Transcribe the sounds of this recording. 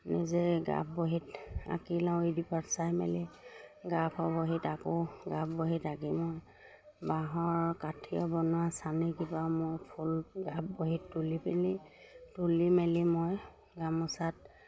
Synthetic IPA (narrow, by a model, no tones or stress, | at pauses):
nḭzɛɡa̰p̚boɦita̰kilãwidipatsajmɛ̰liɡapʰɔboɦitakɔɡapboɦitaɡimɔj | baɦɔɹkatʰijɔbɔnʊasanɛkibamʊjpʰulɡapboɦitːulipeli | tulimɛlimoj | ɡamʊsat̚